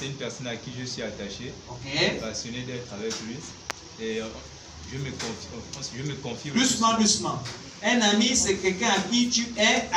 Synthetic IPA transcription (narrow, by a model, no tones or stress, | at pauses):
sɛynpɛʁsɔnakiʒəswɥiat̪aʃeokepasjɔnedɛt̪χavɛklɥi | e | ʒəməkɔ̃fɔ̃sʒəməkɔ̃fidusmãdusmã | ɛ̃namisɛkɛkɛ̃akit̪yɛ